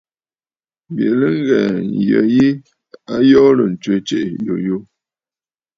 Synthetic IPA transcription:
mbje˨lə˦ŋ˦ɡɛ˨n˨jə̰˨ji˦ | a˦jɔ˦lə˨n̩˨t͡ʃə˨˦t͡ʃe˦ʔjo˨jo˦

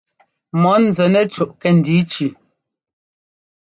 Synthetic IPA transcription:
mɔ˨˦n˨zɛ˨nɛ˦t͡ʃu˨ʔkɛ˨n̩˨di˨˦t͡ʃi˨

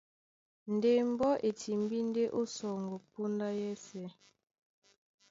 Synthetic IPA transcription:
n̩˨de˦˨m̩˦bɔ˦ʔe˨tʰi˨m˦bi˦n˦de˦ʔo˦sɔ˨ŋ˨ɡo˨po˦nda˦jɛ˦sɛ˨˦

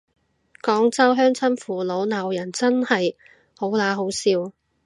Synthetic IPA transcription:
kɔː˨˥ŋt͡sɐ˥wɦœː˥ŋt͡sʰɐ˥nfuː˨˩lo˨˥wnaː˨˩wjɐ˨˩nt͡sɐ˥nhɐ˨j | ho˨˥wlaː˨˧˥ɦo˨˥wsiː˧w

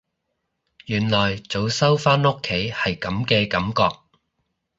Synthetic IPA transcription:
jyː˨˩nlɔː˨jt͡so˨˧wsɐ˥wfaː˥nʊ˥kʰːe˨˥jhɐ˨jkɐ˨˧mkɛː˧kɐ˨˥mkɔː˧k̚

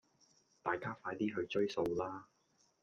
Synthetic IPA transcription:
t̪aː˨jkaː˥faː˧jt̪iː˥ɦɵ˧ɥt͡ʃɵ˥ɥso˧wlaː˥

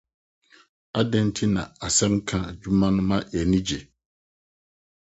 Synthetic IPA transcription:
a˦dɛ˦n˦tʰɪ˦nã˨a˨sɛ˦m˦kʰã˦d͡ʒu˦mːã˦nʊ̃˦ma˦jɛ˨nĩ˦d͡ʒe˨

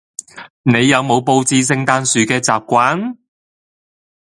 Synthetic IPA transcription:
ne˨˧jːɐ˨˧wmo˨˧wpo˧wt͡siː˧s̬ɪ˧ŋt̪aː˧nsyː˨kɛː˧t͡saː˨p̚kʷaː˨˥n

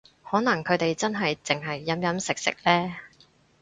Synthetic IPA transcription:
hɔː˨˥nɐ˨˩ŋkʰɵ˨˧ɥt̪e˨jt͡sɐ˥nɦɐ˨jt͡sɪ˨ŋɦɐ˨jːɐ˨˥mjɐ˨˥msɪ˨k̚sɪ̰˨k̚lɛː˥

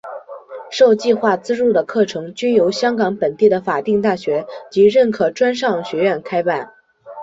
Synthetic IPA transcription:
ʂo˥˧ʊt͡ɕi˥˧xwa˥˩t͡sɹ̩˥ɻu˥˩d̪ə˩kʰɤ˥˩ʈ͡ʂʰɤ˧˥ŋt͡ɕy˥njo˧˥ʊɕjɑ˥ŋkɑ˧˥ŋpə˨˩nt̪i˥˩d̪ə˩fa˨˩t̪i˥˧ŋt̪a˥˩ɕɥɛ˧˥t͡ɕi˧˥ɻə˥˩nkʰɤ˨˩ʈ͡ʂwa˥nʂɑ˥˩ŋɕɥɛ˧˥ɥɛ˥˩nkʰa˥ɪpa˥˩n

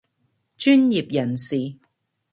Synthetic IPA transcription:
t͡ʃyː˥nji˨p̚jɐ˨˩nsiː˨

